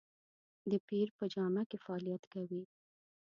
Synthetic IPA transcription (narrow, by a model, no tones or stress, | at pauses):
d̪əpiɾpəd͡ʒɑmakefaːlijat̪kawi